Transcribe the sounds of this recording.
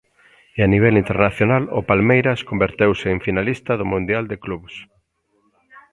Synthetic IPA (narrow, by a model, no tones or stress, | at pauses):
eaniβ̞ɛlint̪eɾnaθjonalʊ̰palmejɾɐskombeɾt̪ewsɪːɱfinalist̪ɐðʊmũnd̪jald̪ɪkluβs